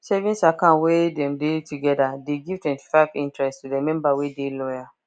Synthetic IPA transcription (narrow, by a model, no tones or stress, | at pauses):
sɛvĩnsakãnwedɛ̃mdetuɡɛdadeɡiv̥twɛ̃nti̥faɪvĩntɹɛsttudemɛ̃mbawedelɔja